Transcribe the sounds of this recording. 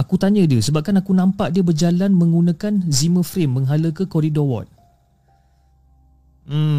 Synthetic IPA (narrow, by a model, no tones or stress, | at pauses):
akut̪aɲə̃diəsəbap̚kanakunãmpaʔdiəbərd͡ʒalanmə̃ŋɡunãkanzimə̃fɾɪmːəŋɦaləkəkɔɾidɔwɔ̰t̪̚ | m̩